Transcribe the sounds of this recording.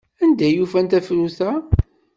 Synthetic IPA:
ænd̪æjufænt̪æfɾuθæ

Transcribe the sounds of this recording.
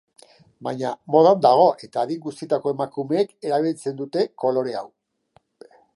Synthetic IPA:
bajɲamo̞ð̞and̪aɣ̞o̞ʔe̞t̪aːðiŋɡust̪it̪ako̞e̞makume̞ːke̞ɾaβ̞ilt͡se̞nd̪ut̪e̞ko̞lo̞ɾe̞aw

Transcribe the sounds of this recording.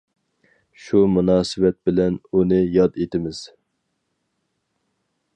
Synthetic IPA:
ʃumunɑːsɨvɛt̪̚bɪlɛnunɨjɑd̪et̪ɪmɪz̥

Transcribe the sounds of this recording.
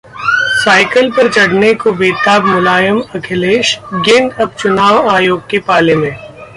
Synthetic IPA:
saːɪkəlpɐɾt͡ʃɐɽnekobeːʈ̪aːbmʊlaːjəmɐkʰɪleːʃɡɪ̃nd̪ɐb̚t͡ʃʊnaːʋaːjoːɡ̚kepaːlemẽː

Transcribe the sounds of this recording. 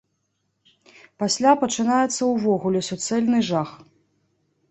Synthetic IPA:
pasʲlʲapɐt͡ʂɨnajɛt̪sːɐwvɔɣulʲɛsʲut̪sɛlʲnɨʐax

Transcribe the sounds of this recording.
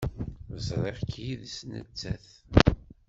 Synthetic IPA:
əzˤɾˤeʁkʰjiðsnə̰t͡sːæ̰θ

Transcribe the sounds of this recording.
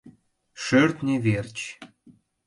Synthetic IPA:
ʃørt̪nʲeβert͡ɕ

